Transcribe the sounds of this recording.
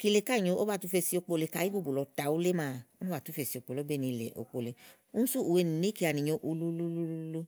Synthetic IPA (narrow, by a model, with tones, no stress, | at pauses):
ki˧le˧˨ka˦˨ɲõ˧˦ʔo˦ba˦˨tu˦fe˧si˧o˧k͡po˧le˧˨ka˨˦i˦bu˦˨bo˨lɔ˧ta˨u˦le˦mãː˦˨o˦nũ˦a˦˨tu˦fe˧˨si˧˨o˧˨k͡po˨lɔ˨˦bɛ˦˨nĩ˧lḛ˨ʔo̰˨k͡po˨le˨ | u˦n̩˦su˦ʔu˨we˧˨ni˨nĩ˨˦ki˧˦a˨nĩ˨ɲõ˧ʔu˧lu˦lu˦lu˦lu˦lu˧